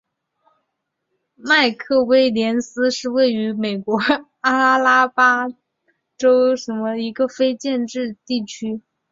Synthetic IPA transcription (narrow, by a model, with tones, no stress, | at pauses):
ma˥˧ɪkʰɤ˥˩we˥ɪljɛ˧˥nsɹ̩˥ʂɻ̩˥˧we˥˩ɪy˧˥me˨˩ɪkwɔ˧˥ | a˥la˥pa˥ | ʈ͡ʂo˥ʊʂə˧˥nmə˧i˧˥ɡə˧fe˥ɪt͡ɕjɛ˥˧nʈ͡ʂɻ̩˥˧t̪i˥˩t͡ɕʰy˥